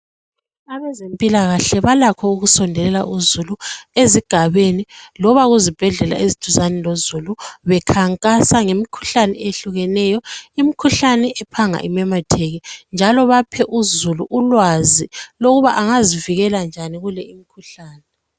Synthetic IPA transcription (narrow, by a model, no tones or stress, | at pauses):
aβɛzempʼilaɣaɬɛβalakʰɔuɣusɔndʱɛlɛla̰ʔuzulueziɡ̥ʱaβenilɔβaɣuzib̥ʱɛɮɛla̰ezid̥ʰʱuzanɛlozuluβɛkʰaŋkʼasaŋemikʰu̥ɬanɛ̰eɬuɣɛnɛjɔimikʰuɬanɛʔɛpʰaŋa̰ʔḭmɛmatʰeɣind͡ʒʱalɔβapʰɛʔuzuluʔulwaziloɣuβaʔaŋaziviɣɛland͡ʒʱaniɣulɛimikʰuɬaːnɛ